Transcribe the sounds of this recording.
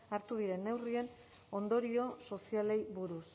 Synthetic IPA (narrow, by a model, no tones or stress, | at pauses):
aɾt̪uð̞iɾe̞nːe̞wrie̞n | o̞nd̪o̞ɾio̞so̞siale̞jβuɾus